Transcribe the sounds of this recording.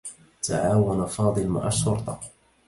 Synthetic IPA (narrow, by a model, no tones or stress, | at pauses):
t̪a̰ʕaːwanafɑːd̪ˤɨlma̰ʕaʃːʊɾt̪ˤɑ